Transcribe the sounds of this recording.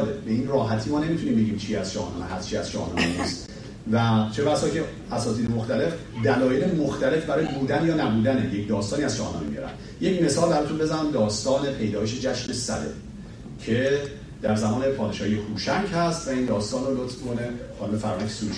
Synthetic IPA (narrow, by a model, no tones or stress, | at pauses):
lebe̞inrɒːɦæt̪ʰiːmɒːne̞mit̪ʰuniːmbe̞ɟʲiːmt͡ʃʰiæz̥ʃɒ̰hɒ̰nɒ̰ːneɦæst͡ʃʰiæz̥ʃæ̰hɒ̰ːnɒ̰ːnnḭst̪ | væt͡ʃʰebæsɒːcʰe | æsɒːt̪iːd̪emoxt̪æle̞f | d̪ælɒːjelemoxt̪æle̞fbæɾɒːjebuːd̪ænjɒːnæbuːd̪ænejecd̪ɒːst̪ɒːniæz̥ʃɒhɒ̰nɒ̰ːmemijɒ̰ːɾæ̰n | je̞cme̞sɒːlbæɾɒːt̪unbe̞zænæmd̪ɒːst̪ɒːne̞pʰe̞jd̪ɒːjeʃe̞d͡ʒæʃnesæ̰d̪ḛ | cʰe̞ | d̪æɾzæmɒːne̞pʰɒːd̪eʃɒːhijehuːʃæɲɟhæst̪væiːnd̪ɒːst̪ɒːnrolot̪ʰmikʰonexɒːnubefæɾɒːækʲʰe̥suʃ